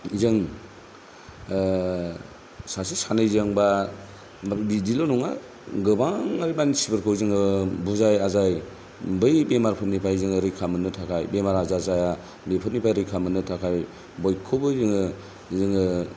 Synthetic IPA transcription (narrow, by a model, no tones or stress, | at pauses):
izɯŋ | sasisanɯjzɯŋba | bidilonuŋa | ɡɯbaŋaɾibanisibɯɾkʰɯwzɯŋɯbuzajazaj | bɯjbemaɾpʰɯt̚nipʰajzɯŋɯɾɯjkʰamɯnɯtʰakʰajbemaɾazazaja | bepʰɯt̚nipʰajɾɯjkʰamɯnɯtʰakʰaj | bɔjkʰɯbɯzɯŋɯ | zɯŋɯ